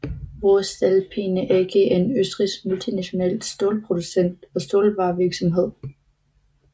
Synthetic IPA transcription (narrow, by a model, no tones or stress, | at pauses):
ʋoːsd̥ælpʰinəʔæɐɡ̥əenøsd̥ʁisɡ̥̚mult͡sʰinæɕo̝nɛ̰ːlsd̥o̝ːlpʰʁo̝d̥usen̰d̥ɒ̽sd̥o̝ːlʋɑ̈ːʋiɐɡ̥sɒ̽mɦe̝ð̞̰ˠ